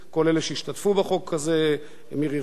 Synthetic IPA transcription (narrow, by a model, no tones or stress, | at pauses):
ko̞leleʃeiʃt̪at̪fubaχo̞kʰːaze | miʁi